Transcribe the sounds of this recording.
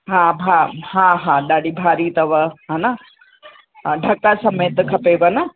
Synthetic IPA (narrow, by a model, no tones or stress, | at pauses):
ɦãbʱaɦãːɦãːɗaːɽʱibʱaːɾit̪ɐʋɐɦaːna | ɖʱɐkasɐmet̪ɐkʰɐpeʋɐnɐ